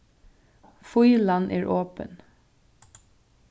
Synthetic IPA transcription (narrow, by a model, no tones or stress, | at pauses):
fʊʏlɑnʔæːɹʔoːpə̰n